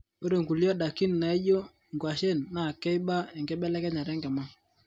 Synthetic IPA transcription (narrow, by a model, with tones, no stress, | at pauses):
o˦ɾe˨ŋɡu˨ljɔ˦ɗa˨ki˦n˨na˨i˦jo˦ | ŋɡwa˨ʃe˦˨nːa˨kɛ˦i˦ɓa˦ɛ˨ŋɡɛ˦ɓɛ˦lɛ˦kɛ˦ɲa˨ɾɛ˦ŋɡɛ˨ma˦